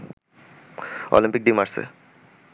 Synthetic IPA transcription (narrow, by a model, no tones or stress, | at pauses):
o̰limpik̚ɖimaɾsḛ